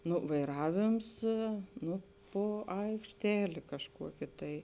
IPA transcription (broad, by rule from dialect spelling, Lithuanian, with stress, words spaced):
ˈnʊ ʋɐɪˈrɑːʋʲeːms ˈnʊ ˈpoː ɐɪkʃʲˈtʲæːlʲeː kɐʃˈkuɔkʲeː tɐɪ